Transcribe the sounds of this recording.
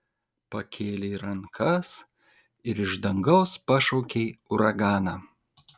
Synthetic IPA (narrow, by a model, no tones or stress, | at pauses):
pɐkʲʰeːlʲeiɾɐŋkʰɐs | ɪɾɪʒd̪ɐŋɡɐʊspɑʃɔʊkʲeɪʊɾɐɡɑːnɑː